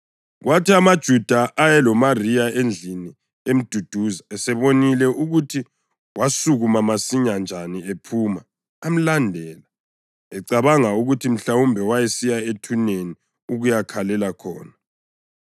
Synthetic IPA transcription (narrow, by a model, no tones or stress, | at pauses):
ɣwʔatʰiamad̥ʒ̥ʱud̥ʱaʔajɛlɔmarijaend͡ɮʱini | em̩d̥ʱud̥ʱuzaɛsɛβonilɛʔuɣutʰi | wasuɣumamasiɲand͡ʒʱaniepʰuːmaː | m̩landʱɛːla | ɛǀaβaŋauɣutʰim̩ɬawumbʱɛwajɛsijaetʰuneni | uɣujakʰalɛlakʰɔ̰ːna